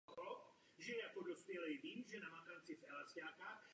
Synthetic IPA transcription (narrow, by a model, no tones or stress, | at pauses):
xɾɔp | ʒɛjakɔd̪ɔspjɛlɛjd̪iːmʒɛnamakant͡sifɛlasaːka